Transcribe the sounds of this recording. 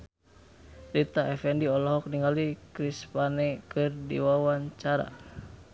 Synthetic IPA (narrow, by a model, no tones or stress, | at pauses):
rit̪aʔɛfɛndiɔlɔɦɔk̚niŋalikɾispanɛkɨrdḭwawaɲt͡ʃaɾa̰